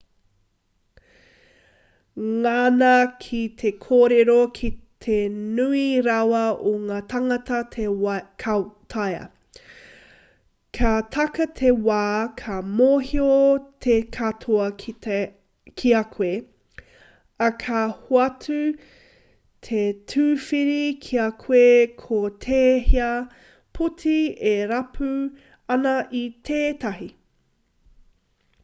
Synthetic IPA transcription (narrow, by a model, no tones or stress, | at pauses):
ŋanɐkʰit̪ʰekʰoːɾeɾokʰit̪ʰenʉiɾawɐoŋaːt̪ʰaŋɐt̪ɐtʰkʰat̪ʰajɐ̰ | kʰat̪ʰɐkɐt̪ʰewaːkʰɐmoːhiot̪ʰekʰatʰoɐkʰi | kʰiɐkʰwe | ɐkʰahoɐtʰʉ | tʰetʰʉːfiɾikʰiɐkʰwekʰot̪ʰeːhiɐ | pʰutʰieɾɐpʰʉ | ɐnɐʔit̪ʰeːtɐɦi